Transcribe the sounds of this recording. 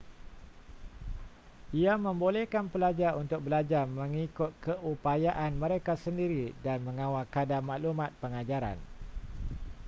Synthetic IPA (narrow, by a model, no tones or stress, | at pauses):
ʔiamə̃mbolɛhkanpəlad͡ʒaunt̪ʊk̚bəlad͡ʒamə̃ŋikʊt̪̚kəʔupajaʔanmə̃ɾekasəndiɾidanmə̃ŋãwalkadamãʔlumãt̪̚pəŋad͡ʒaɾa̰n